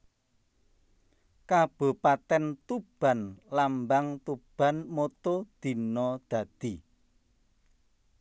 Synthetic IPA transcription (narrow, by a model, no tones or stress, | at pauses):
kab̥o̤pat̪ɛnt̪ub̥a̤nlambaŋt̪ub̥a̤nmot̪od̪̥i̤nɔd̪̥ä̤d̪̥i̤